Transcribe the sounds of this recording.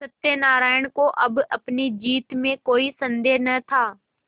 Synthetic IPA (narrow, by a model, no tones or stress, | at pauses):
sɐt̪enaːɾaːɪɽ̃koʔɐbɐpnid͡ʒiːt̪mẽkoːisɐ̃nd̪eːnɐt̪ʰaː